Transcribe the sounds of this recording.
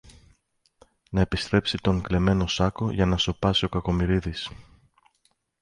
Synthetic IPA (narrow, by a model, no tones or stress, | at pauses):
nɐe̞pist̪ɾe̞psit̪o̞ŋkle̞me̞no̞sɐko̞ʝɐnɐso̞pɐsio̞kɐko̞miɾiðis